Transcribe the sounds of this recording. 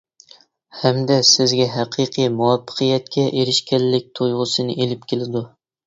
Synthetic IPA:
hɛmd̪ɛsɪzɡʲɛɦæqʰiqʰɨjmuwɑpʰːə̥qʰɨjɛt̪̚kʲʰɛʔeɾɪʃkʲɛlːɪk̚ʲt̪ʰojʁʊsɨnɨ̰ʔelɪpkʲʰelɪd̪u

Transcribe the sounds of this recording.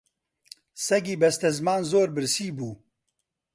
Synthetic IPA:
sɛɡiːbɛst̪ɛzmaːnzoːɾbɨɾsiːbuː

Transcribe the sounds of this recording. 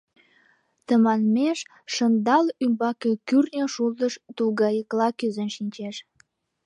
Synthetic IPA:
t̪əmɑnmeʃ | ʃənd̪ɑlymbɑkekyrnʲoʃuld̪əʃt̪uɣɑjəklɑkyzənʃinʲt͡ɕeʃ

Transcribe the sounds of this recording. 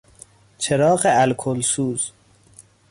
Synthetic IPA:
t͡ʃʰe̞ɾɒːɢeælkʰolsuːz̥

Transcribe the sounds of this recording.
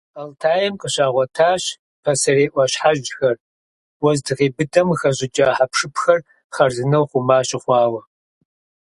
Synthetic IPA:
ɐltʰaːjɛmqʼəɕaːʁʷɔtʰaːɕ | pʰɐsɐreːʔʷɐɕħaʒxɐr | wɔzdʰɨʁiːbɨdɐmxɐʑɪt͡ʃʼɐħapʰʂɨpxɐr | χɐrzɨnɐwχʷʊmaːɕɪχʷɑːwɐ

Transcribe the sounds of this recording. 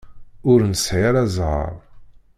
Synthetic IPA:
ʊɾnəsʕɪɾæzʁə̰ɾˤ

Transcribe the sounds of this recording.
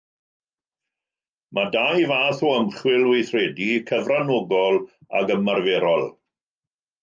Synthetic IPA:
mʔadajvaːθɔəmχwɪlˠwejθrɛdikʰəvranoɡɔlˠa̰ɡəmarveɾɔlˠ

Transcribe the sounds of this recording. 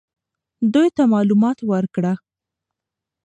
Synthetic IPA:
d̪ujt̪amɑlumɑt̪wəɾkɽa

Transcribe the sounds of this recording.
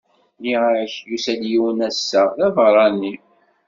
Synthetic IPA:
liaɾçjusæljiwnæsːæðævɾˤɑni

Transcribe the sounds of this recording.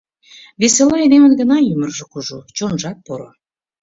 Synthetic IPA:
βeselɑed̪emənɡə̆nɑjymərʒĕkuʒut͡ɕonʒɑk̚poɾo̰

